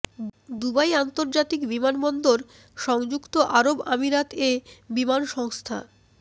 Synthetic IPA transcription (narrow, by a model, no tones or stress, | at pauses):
d̪ubajant̪oɾd͡ʑat̪ikbimanbɔnd̪oɾ | ʃɔŋd͡ʑukt̪oʔaɾobamiɾat̪ʰebimanʃɔŋst̪ʰa̰